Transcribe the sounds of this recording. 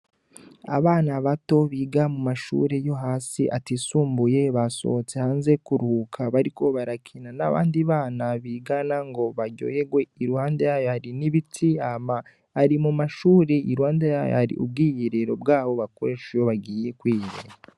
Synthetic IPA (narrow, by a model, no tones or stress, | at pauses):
a̰βaːnaβato̞βiːɡamumaʃṵːɾejo̞ɦaːsiʔatisuːmbuje̞βaso̞̰t͡sehaːnze̞kuɾhuːkʰaβaɾiko̞βaɾakʰinana̰βa̰ːndiβaːnaβiːɡanaŋɡo̞βaɟo̰je̞ɡweiɾuhaːndejajo̞haɾiniβitʰiama | hːɾimumaʃuːɾeiɾuhaːndejajo̰haɾḭʔṵb̚ɡiːjiɾeɾo̞bɡaːβo̞βakoɾeʃejoβaɡiːje̞kwiːjiɾḛɾa